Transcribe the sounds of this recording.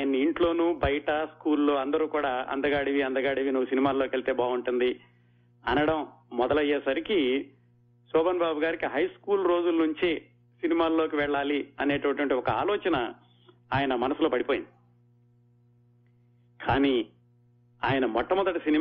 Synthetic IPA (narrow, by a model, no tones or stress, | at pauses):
jɐnɐiɳʈlo̞ːnuːbɐjɐʈɐskuːlːo̞ːɐnd̪ɐɾuːkuːɽaːɐ̰nd̪ɐɡaːɽiʋiɐnd̪ɐɡaːɽiʋinuʋːusinimaːlːoːkʋeɭt̪e̞ːbaːɡuɳʈund̪i | ɐ̰nɐɽɐmːɔd̪ɐlɐjːeːsɐɾiki | sɔːbɐnbaːbuɡaːɾikiɦɐjskuːlɾo̞ːd͡ʒulnuɲt͡ʃe | sinimaːlːoːkiʋɛɭːaːliɐne̞ːʈʋɐʈiʋɐɳʈiɔkɐaːlɔːt͡ʃɐnɐ | aːjɐnɐmɐnɐsulo̞ːpɐɽipoːjind̪i | kʰaːniː | aːjɐnɐmɔʈːɐmɔd̪ɐʈisini